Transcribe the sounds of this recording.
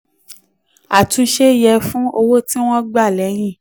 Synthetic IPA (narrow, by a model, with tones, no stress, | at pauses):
a˨tũ˨˧˦ʃe˦˨jɛ˧fũ˦o˧wo˦ti˦w̃ɔ̃˦ɡ͡ba˦˨lɛ˨˦j̃ĩ˦˨